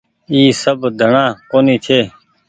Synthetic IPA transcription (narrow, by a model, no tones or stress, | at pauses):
iːsəbd̪ʱəɳãːkoːniːt̪ʰeː